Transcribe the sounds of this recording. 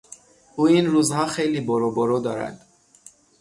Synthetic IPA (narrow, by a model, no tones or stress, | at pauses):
uːinɾuzhɒxejlibɔɾɔbɔɾɔd̪ɒːɾæ̰d̪̥